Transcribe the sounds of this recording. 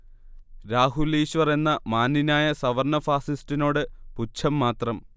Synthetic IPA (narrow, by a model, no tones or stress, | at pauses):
ɾaːɦuliːɕʋɐre̞nːɐmaːnːinaːjɐsɐʋɐrnɐfaːsistino̞ːɽɨput͡ɕʰɐmːaːt̪rɐm